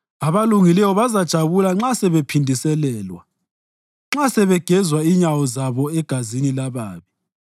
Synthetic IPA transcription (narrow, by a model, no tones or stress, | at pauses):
aβaluŋilɛwɔβazad̥ʒ̥ʱaβulaŋ͡ǁasɛβɛpʰindʱisɛlɛːlwa̰ | ŋ͡ǁasɛβɛɡ̥ʱɛzwaiɲawɔzaβɔɛɡ̥ʱazinilaβaːβi